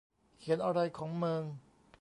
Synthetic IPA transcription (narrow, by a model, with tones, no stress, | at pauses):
kʰi˩˦nʔa˧ɾa˧jkʰɔː˩˦ŋmɯː˧ŋ